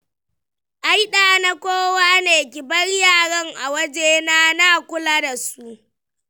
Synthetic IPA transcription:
ʔa˦jɗaː˨na˦kʷoː˦waː˦neː˨kʲɪ˨bɐ˦rjaː˦˨ɽɐ˦ŋʔa˨wɐ˦d͡ʒeː˦naː˦naː˦˨kʷʊ˦laː˦da˨su˦ʔ

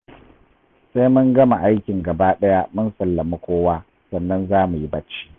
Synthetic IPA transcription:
sa˦jmʊ˦ŋɡɐ˦ma˨ʔa˦jkʲɪ˨ŋɡɐ˨baː˦ɗɐ˦ja˦mʊ˦nsɐ˨lːɐ˨mu˦kʷoː˦waː˦ | sɐ˨nːɐ˦nzaː˦mu˨ji˦bɐ˦t͡ʃːi̥ː˦

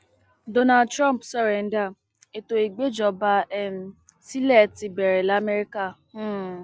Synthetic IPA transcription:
do˦na˨dtɾã˦m˨psɔ˦ɾe˨n̩˦da˦˨ | e˨to˨i˨ɡ͡be˦d͡ʒɔ˨ba˦ɛ˦m̩˦ | si˦le˦˨ti˨be˨ɾe˨la˨˦me˦ɾi˦ka˦˨˦

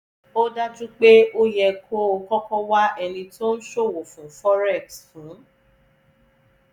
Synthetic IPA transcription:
o˦da˦d͡ʒũ˦k͡pe˦ʔo˦jɛ˧kʰo˦o˧kɔ˦kɔ˦wa˦ɛ˧nĩ˧to˦ñ̩˦ʃo˦˨wo˨fũ˨fɔ˦ɾɛ˦˨ksfũ˨˦

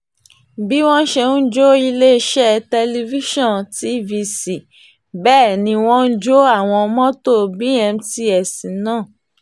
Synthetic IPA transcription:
bi˦w̃ɔ̃˦ʃɛ˧nũ˦d͡ʒo˦i˧le˦ʃɛ˦tɛ˧li˧vi˦ʃɔ̃˦˨nti˨˦vi˧si˨ | bɛː˦˨nĩ˧w̃ɔ̃˦n̩˦d͡ʒo˦a˦˨w̃ɔ̃˧mɔ̃˦to˦˨bi˨˦ɛ̃˧m̩˦ti˧˦ɛ˨sĩ˨nãː˦˨

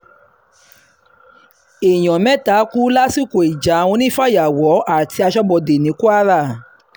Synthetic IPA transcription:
e˨j̃ɔ̃˨mɛ̃˦ta˨˦ku˦la˦si˦˨ko˨i˨d͡ʒa˨˦w̃ɔ̃˧nĩ˦fa˦˨ja˨wɔ˨˦a˦˨ti˧a˧ʃɔ˦bɔ˧˨de˨nĩ˨˦ku˦a˦ɾa˦˨

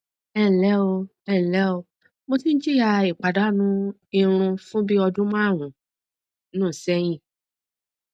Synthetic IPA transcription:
ɛ˦˨lɛ˨˦o˧ | ɛ˦˨lɛ˦o˧ | mo˧sĩ˦n̩˦d͡ʒi˦ja˧i˨k͡pa˨da˨˦nũ˧i˧ɾ̃ũ˧fũ˦bi˦ɔ˧dũ˦mã˦˨ɾ̃ũ˨ | nũː˦˨sɛ˦j̃ĩ˦˨

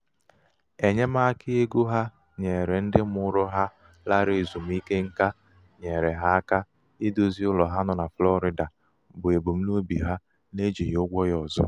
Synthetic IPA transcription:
e˨ɲe˦ma˦kɪ˦e˦ɡu˦ɦa˦ | ɲe˨ɾe˨n̩˦dɪ˦mʊ˦ɾʊ˦ɦa˦ | la˦ɾɪ˨zu˨m̩˨˦i˦ke˦ŋ̩˦ka˦ | ɲe˨ɾe˨ɦa˦ka˦ | ɪ˦do˦zi˦ʊ˦lɔ˨ɦa˦nɔ˨na˨flɔ˦ɾɪ˦da˨ | bʊ˨e˨ɡ͡bo˨m̩˦no˦bi˨ɦa˦ | ne˦d͡ʒi˨jʊ˦ɡʷɔ˦jɔ˨zɔ̰˦

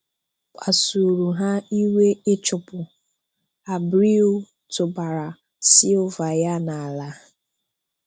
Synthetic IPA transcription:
k͡pa˨su˨ɾu˨ɦa˦i˦we˦ɪ˦t͡ʃʊ˨pʊ˨ | a˨bɾi˦ʊ˦ | tʊ˨ba˨ɾa˨ | si˦ʊ˦va˨ja˦na˨a˨la˨˦

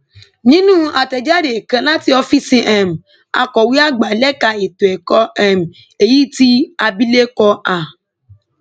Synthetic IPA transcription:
nĩ˦nũ˦ʔa˨tɛ˨d͡ʒa˦ɾe˨kã˨˦la˦ti˧ɔ˧fi˦sĩ˧ʔɛ˨m̩˨ | a̰˧kɔ˨wi˦a˦ɡ͡ba˨lɛ˦ka˧e˨to˨ɛ˨kɔ˧ɛ˨m̩˨ | e˨ji˦ti˦a˧bi˦le˦kɔ˧a˨

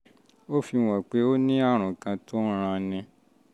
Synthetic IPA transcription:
o˦fi˧w̃ɔ̃˨k͡pe˨˦o˦nĩ˦a˦˨ɾ̃ũ˨kã˧to˦ɾ̃ã˧nĩ˧

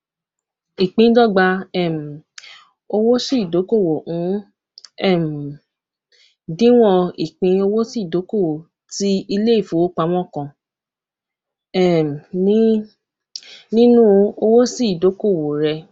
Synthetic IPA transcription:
i˨k͡pĩ˧˦dɔ˦˨ɡ͡ba˧ɛ˦˨m̩˨ | o˧wo˦si˦˨do˨˦ko˦˨wo˨ũ˨˦ | ɛ˦˨m̩˨ | dĩ˦w̃ɔ̃˦˧i˨k͡pĩ˧o˧wo˦si˦˨do˨˦ko˦˨wo˨ | ti˦i˧le˦i˦˨fu˨˦wo˦k͡pa˧w̃ɔ̃˦˨kɔ̃˧ | ɛ˦˨m˨nĩ˦ | nĩ˦nũ˦˧o˧wo˦si˦˨do˨˦ko˦˨wo˨ɾɛ˧

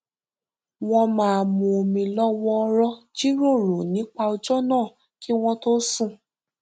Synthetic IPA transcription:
w̃ɔ̃˧mãː˦˨mũ˧o˨mĩ˧lɔ˦wɔ̃˧ɾɔ˧d͡ʒi˦ɾo˦˨ɾo˨nĩ˨˦k͡pa˧o˧d͡ʒɔ˦nãː˦˨ | ki˦w̃ɔ̃˦to˦sũ˦˨

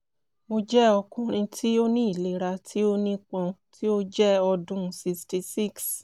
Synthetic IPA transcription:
mo˧d͡ʒɛ˦ɔ˧kũ˧ɾ̃ĩ˧tʰi˦o˦nĩ˦i˦˨le˨˦˨ɾa˧tʰi˦o˦nĩ˦k͡pɔ̃˧tʰi˦o˦d͡ʒɛ˦ɔ˧dũ˦˨si˧sti˧si˦˨ks

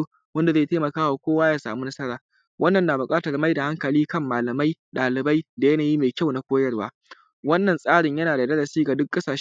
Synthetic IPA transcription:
wɐ˦nda˨ze˦˨taː˦mɐ˨kaː˦wa˨kʷoː˦waː˦jaː˨˦sa̰ː˨mu˦nɐ˦sɐ˦ɽaː˨ | wʔɐ˦nːɐ˨nːaː˨bʊ˨kʼaː˦tɐ˨rma˦jda˨ha˦ŋkɐ˨liː˦kɐ˦˨mːaː˨lɐ˨ma˦jɗaː˨lɪ˨ba˦jda˨jɐ˦naː˨jiː˦meː˨kʲa˦˨wna˨kʷoː˦jɐ˦˨rwaː˦ | wɐ˦nːɐ˨nsʼaː˦ɽɪ˨ɲjɐ˦naː˨da˨dɐ˦ɽɐ˨siː˦ɡa˨dʊ˦kːʼɐ˦saː˨ʃ

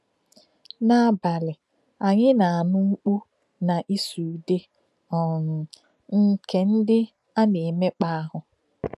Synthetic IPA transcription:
na˨ba˨lɪ˨ | a˨ɲɪ˦na˨a˨nʊ˦u˦k͡pu˦ | na˨ʔi˦su˨de˦ | ɔ˨n̩˨ | ŋ̩˦ke˨n̩˦dɪ˦ | a˦ne˨me˦k͡pa˦a˦ɦʊ˨

